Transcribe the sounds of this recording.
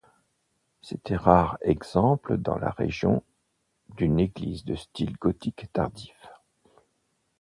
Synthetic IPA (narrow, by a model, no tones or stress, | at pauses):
set̪ʰɛʁaʁɛɡz̥ɑ̃pləd̪ɑ̰̃la̰ʁḛʒjɔ̰̃ | d̪yneɡlizd̪əst̪ilɡɔt̪ikt̪aʁd̪if